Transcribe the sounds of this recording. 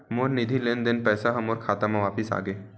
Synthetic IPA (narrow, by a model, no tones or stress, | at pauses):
moːɾnɪd̪ʱileːnd̪ɪnpɛːsaɦɐmoːɾkʰaːt̪amãʋaːpɪsa̰ːɡeː